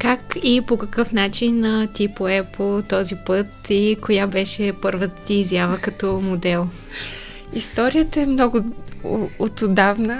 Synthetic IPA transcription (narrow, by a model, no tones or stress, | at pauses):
kakipokɐkɤfnat͡ʃinət̪ipoɛpolˠt̪ɔzipɤt̪ikojabɛʃɛpɤɾvət̪ət̪iːzjavəkɐt̪ɔmod̪ɛlˠ | ist̪ɔɾijət̪əɛmnɔɡʊ | ot̪ʊd̪avnə